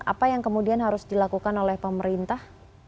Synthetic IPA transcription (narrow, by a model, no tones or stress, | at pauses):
ʔa̰pajaŋkəmudianɦaɾʊsdilakukanolɛhpəməɾint̪ah